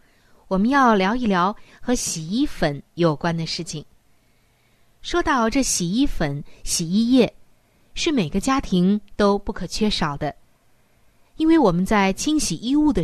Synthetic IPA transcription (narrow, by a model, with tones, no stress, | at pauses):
wɔ˨˩mə˦njɑ˥˩ʊljɑ˧˥ʊi˥˩ljɑ˧˥ʊxɤ˧˥ɕi˨˩i˥fə˧˥njo˨˩ʊkwa˥nd̪ə˨ʂɻ̩˥˩t͡ɕʰi˨˩ŋ | ʂo˥t̪ɑ˥˧ʊʈ͡ʂɤ˥˩ɕi˨˩i˥fə˧˩nɕi˨˩i˥˧jɛ˥˩ | ʂɻ̩˥˩me˨˩ɪɡə˦t͡ɕja˥t̪ʰi˧˥ŋt̪o˥ʊpu˥˩kʰɤ˨˩t͡ɕʰɥɛ˥ʂɑ˨˩ʊd̪ə˦ | i˥nwe˥˩ɪwɔ˨˩mə˦nt͡sa˥˩ɪt͡ɕʰi˥ŋɕi˨˩ʔi˥˧u˥˩d̪ə˩